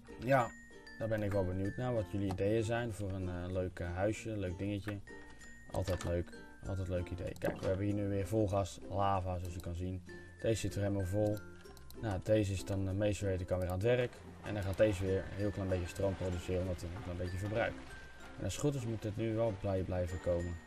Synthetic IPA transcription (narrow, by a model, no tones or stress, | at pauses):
ja | dɔbɪnɪkʋɛlˠbənjutnaʋɔtʰjøliidejəzɛjnvʊːrənløːkɦœɥsjəløɥk̚dɪŋəcə | ʔɔ̰lˠtɛjtløːk | ʔɔ̰lˠtɛjtløɥkəidḛjkɛ̰jkʋə̰hɛbəniːnyʋɪəɹvolˠɣastlaːvasoːsjəkɑnzin | teːssɪtʋərɛmɔlˠvolˠ | nateːzəɪsdɔnmejstəʋejtəkɑnʋɪːraːnətʋɛrək | ɛ̰ndɔχaːteːzʋɪəɹɦiəlˠklɛjəmbejcjəstrowmprodysɪːrəɔndɔtɪnɪlˠklɛmbetjəvəbrœ̰ɥk | ɛ̰nʔɑsχrut̬ɪsmutətnyʋɛlˠblɛjblɛjvəkowmən